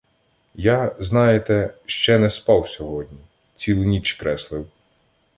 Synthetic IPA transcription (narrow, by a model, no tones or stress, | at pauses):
jaznɑjet̪ɛʃt͡ʃɛnɛspɑwsʲɔɦɔdʲnʲi | t͡sʲilˠʊnʲit͡ʃkɾɛslˠɪw